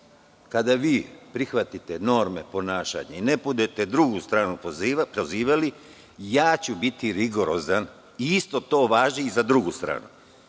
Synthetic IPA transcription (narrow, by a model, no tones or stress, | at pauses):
kad̪aʋiːpɾixʋat̪it̪e̞no̞ɾme̞po̞naːʃa̰ɲeinepud̪et̪e̞d̪ɾuɡust̪ɾaːnupɾoziːʋali | jaːt͡ɕubit̪iɾiɡo̞ɾo̞zan | iist̪o̞t̪o̞ːʋaːʒiːzad̪ɾuɡust̪ɾa̰ːnṵ